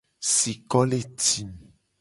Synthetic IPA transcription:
si˨kɔ˦le˦ti˨m

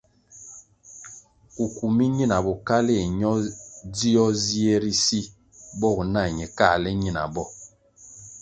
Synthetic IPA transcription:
u˨ku˨mi˦ɲi˦na˨bɔ˨ka˦le˦˨ɲɔ˦di˦ɔ˦zi˦e˦ɾi˦si˦ | bɔ˦˨u˨na˦˨ɲɛ˨ka˦˨lɛ˦ɲi˦na̰˨bɔ˦˨

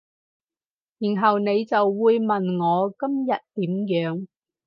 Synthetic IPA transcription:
jiː˨˩nɦɐ˨wne˨˧jt͡sɐ˨wːuː˨˧jmɐ˨nŋɔː˨˧kɐ˥mjɐ˨t̚t̪iː˨˥mjœː˨˥ŋ

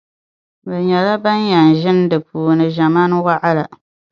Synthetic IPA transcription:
ba˨ɲɛ˨la˦ba˦n˦ja˨n̩˨ʒɪ˦n˦dɨ˨puː˨nɨ˨ʒa˨maː˦n˦wa˦ʔa˦la˨

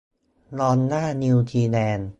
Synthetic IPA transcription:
lɔː˧nːaː˥˩ni˧wt͡ɕiː˧lɛː˧n

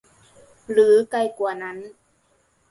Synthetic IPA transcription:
ɾɯː˩˦ka˧˩jkuː˨˩na˦˥n

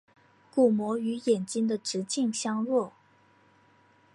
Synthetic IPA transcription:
ku˨˩mwɔ˧˥y˧˥jɛ˨˩nt͡ɕi˥nd̪ə˨ʈ͡ʂɻ̩˧˥t͡ɕi˥˩ŋɕjɑ˥ŋɻwɔ˥˩

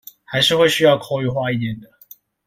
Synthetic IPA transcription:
xa˧˥ɪʂɻ̩˥˧xwe˥˧ɪɕy˥jɑ˥˧ʊkʰo˥˧ʊy˥˧xwa˥˧i˥˧˩t̪jɛ˥˨˩nd̪ə˩

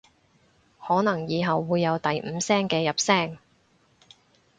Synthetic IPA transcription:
hɔː˨˥nɐ˨˩ŋjiː˨˧ɦɐ˨wːuː˨˧jːɐ˨˧wt̪ɐ˨jm̩ː˨˧msɛː˥ŋkɛː˧jɐ˨p̚sɛː˥ŋ

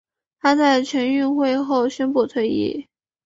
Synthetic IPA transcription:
t̪ʰa˥t͡sa˥˩ɪt͡ɕʰɥɛ˧˥ny˥˧nxwe˥˧ɪxo˥˩ʊɕɥɛ˥npu˥˧t̪ʰwe˥˧ɪḭ˥˩

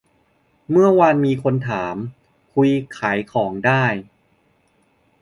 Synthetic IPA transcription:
mɯ˥˩ɐwa˧nmiː˧kʰo˧nt̪ʰaː˩˦m | kʰu˧jkʰaː˩˦jkʰɔː˩˦ŋdaː˥˩j

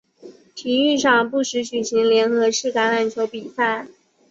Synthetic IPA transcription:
t̪ʰi˧˥y˥˧ʂɑ˥˧ŋpu˥˩ʂɻ̩˧˥t͡ɕy˨˩ɕi˧˥ŋljɛ˧˥nxɤ˧˥ʂɻ̩˥˩ka˧˥na˨˩nt͡ɕʰjo˧˥ʊpi˨˩sa˥˩

